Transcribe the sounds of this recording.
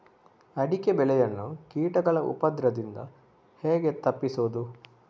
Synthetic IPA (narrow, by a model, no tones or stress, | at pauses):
ɐɽikebɛlɛjɐnːukiːʈɐɡɐɭɐʔṵpɐd̪ɾɐd̪ind̪ɐ̰ | heːɡe̞t̪ɐpːisuːd̪u